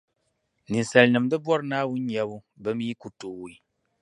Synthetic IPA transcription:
ni˨n˨sɛ˨lnɨ˨mdɨ˦bɔ˦ɾnaː˦˨wu˦ɲɛ˨bu˦ | bɛ˦mi˦ku˨to˨wi˨˦

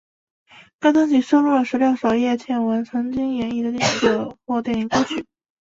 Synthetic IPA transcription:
ka˥t̪ɤ˥ŋɕi˨˩ʂɤ˥lu˥˩lə˩ʂɻ̩˧˥ljo˥˩ʊʂɑ˨˩ʊjɛ˥˧t͡ɕʰjɛ˥˩nwə˧˥nt͡sʰɤ˧˥ŋt͡ɕi˥ŋjɛ˧˥ni˥˩d̪ə˧t̪i˥˩i˥˩ʈ͡ʂɤ˨˩xwɔ˥˩t̪jɛ˥˩ni˧˥kwo˥ʊt͡ɕʰy˥˩˦

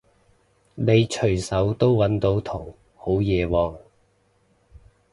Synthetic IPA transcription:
ne˨˧jt͡ʃʰɵ˨˩jsɐ˨˥wt̪o˥wwɐ˨˥nt̪o˨˥wt̪ʰʊ˨˩ŋ | ho˨˥wjɛː˨˧wɔː˨˧ŋ

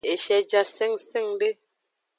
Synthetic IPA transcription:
e˨ʃɛ˨d͡ʒa˦sɛ˦ŋse˦˨ŋde˦

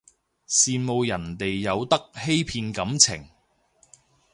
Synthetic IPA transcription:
siː˨˧mo˨˧wjɐ˨˩nt̪e˨jːɐ˨˧wt̪ɐ˥k̚he˥jpʰiː˧nkɐ˨˥mt͡sʰɪ˨˩ŋ

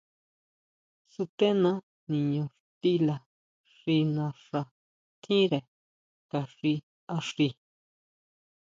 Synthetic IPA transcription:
su˧t̪e˦nã˦ | nĩ˨ɲõ˧ʂt̪i˦la˨ | ʂi˧nã˧ʂa˧ | t̪ʰĩ˦ɾe˨ | ka˨ʂi˧ | a˧ʂi˧

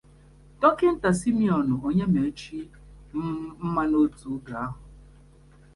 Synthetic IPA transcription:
dɔ˦kɪ˦n̩˦ta˨si˦mi˦ɔ˨nʊ˨o˨ɲe˦me˨˦t͡ʃi˦ | m̩˦m̩˦ma˦no˦tu˨˦ɡa˨a˦ɦʊ˨

